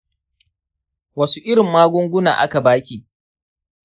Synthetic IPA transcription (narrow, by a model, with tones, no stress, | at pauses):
wɐ˦su˦ʔɪ˦ɽɪ˨mːaː˦ɡʷʊ˦ŋɡʷʊ˦na̰ː˨ʔa˦ka˨baː˦kʲiː˨